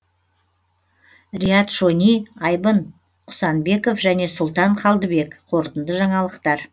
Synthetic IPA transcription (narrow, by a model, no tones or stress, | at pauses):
rʲijɑt̪ʒonijɑjbən | qʰʊ̥sɑnbe̞ko̞fʒæne̞sʊlˠt̪ɑɴqʰɑlˠd̪əbe̞kqʰoɾt̪ənd̪əʒɑɴɑlˠəqt̪ɑɾ